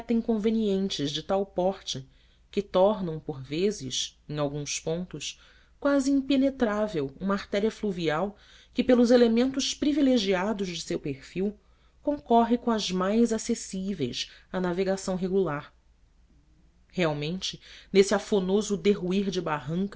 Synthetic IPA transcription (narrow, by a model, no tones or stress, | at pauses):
t̪ɐ̃ĩŋkõveniẽnt͡ʃɪzd͡ʒɪt̪awpɔɾt͡ʃɪ | kɪt̪ɔɾnɐ̃w̃poɾvezɪsẽj̃awɡũspõnt̪ʊʃ | kwazɪĩmpenet̪ɾavewũmɐaɾt̪ɛɾiɐfluviaw | kɪpelʊzelemẽnt̪ʊʃpɾivileʒiad̪ʊzd͡ʒɪsewpeɾfiw | kõŋkɔɦɪkõɐzmajzasesivejsanaveɡasɐ̃w̃ɦeɡulaɾ | heawmẽnt͡ʃɪnesɪafonozʊd̪eɦuiɾd͡ʒɪbaɦɐ̃ŋk